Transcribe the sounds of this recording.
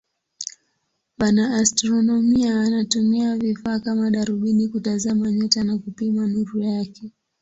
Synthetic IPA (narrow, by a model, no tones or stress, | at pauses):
ɓanaːstɾɔnɔmiaːnatumiavifaːkamaɗaɾuɓinikutazamaɲɔtanakupimanuɾujakɛ